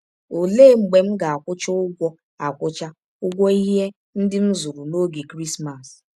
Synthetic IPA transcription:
o˨leː˦˨ŋ͡m̩˨ɡ͡be˨m̩˦ɡa˨a˨kʷʊ˦t͡ʃʊ˦ʊ˦ɡʷɔ˦ | a˨kʷʊ˦t͡ʃa˦ | ʊ˦ɡʷɔ˦i˦ɦe˦ | n̩˦dɪ˦n̩˦zʊ˨ɾu˨no˦ɡi˨kɾi˦sma˨s

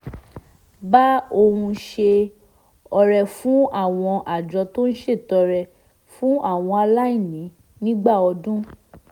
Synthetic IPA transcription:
ba˦o˧hũ˧ʃe˧ | ɔ˧ɾɛ˨fũ˨˦a˦˨w̃ɔ̃˧ʔa˨d͡ʒɔ˨˧to˦n̩˦ʃe˦˨tɔ˨˧ɾɛ˨ | fũ˦a˦˨w̃ɔ̃˧a˧la˦i˦˨nĩ˨˦ | nĩ˦ɡ͡ba˦˨ɔ˧dũ˦

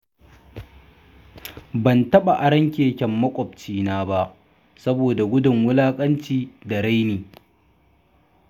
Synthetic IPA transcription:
bɐ˨ntɐ˦ɓa˨ʔa˨ɽɐ˦ŋkʲeː˨kʲɐ˨mːɐ˦kʷʼɔ˨b̚t͡ʃiː˦naː˦ba˦ʔ | sɐ˦boː˨da˨ɡʷʊ˦dʊ˨ŋwʊ˦laː˦kʼɐ˦nt͡ʃiː˦da˨ɽa˦jneː˨

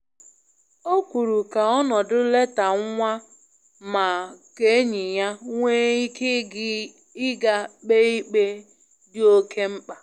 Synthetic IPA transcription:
o˦kʷu˨ɾu˨ka˨ɔ˦nɔ˨dʊ˦le˦ta˨ŋ˦ŋʷa˦ | ma˨ke˦ɲɪ˨ja˦ŋʷe˦i˦kɪ˦ | ɪ˦ɡa˦k͡pe˦i˦k͡pe˦ | dɪ˦o˦kʰe˦m̩˦k͡pa˨

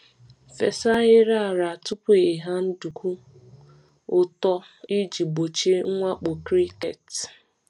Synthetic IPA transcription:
fe˨sa˦ɣɪ˦ɾa˦a˨ɾa˨a˨tʊ˦pu˦i˨ɦa˦n̩˦du˨ku˦ | ʊ˦tɔ˦ | i˦d͡ʒi˨bo˨t͡ʃe˦ŋ̩˦ŋʷa˦k͡po˨kɾi˦kḛ˨t

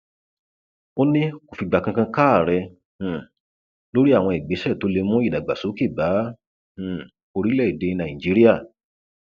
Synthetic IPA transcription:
o˦nĩ˦ko˨fi˧˨ɡ͡ba˨kã˧kã˧kaː˦˨ɾɛ˧ | h̩˨ | lo˦ɾi˦a˦˨w̃ɔ̃˧i˨ɡ͡be˨˦ʃɛ˦˨to˨˦le˧mũ˦i˦˨da˨ɡ͡ba˨so˨˦ki˦˨ba˨˦ | h̩˨ | o˧ɾi˦lɛ˦˨i˨de˧nã˨ĩ˨d͡ʒi˨˦ɾi˦ja˦˨

